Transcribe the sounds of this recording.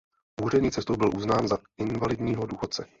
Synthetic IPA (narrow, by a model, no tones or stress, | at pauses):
ʔuːr̝ɛɲiːt͡sɛst̪owbɪlʔuznaːnzaɪnvalɪdɲiːɦoduːxo̞t̪̚t͡sɛ